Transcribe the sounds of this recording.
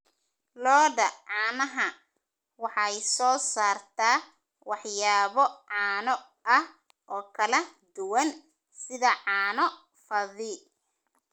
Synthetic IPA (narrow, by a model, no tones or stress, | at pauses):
lɔːdɐʕɑːnɐɦɐ | wɑħɑjsɔːsaːrt̪ʰaː | wɑħjaːβɔʕɑːnɔ | ʔɐh | ʔɔːkʰɐlɐd̪ʊwɐn | sɪðɐʕɑːnɔ | fɐðiːl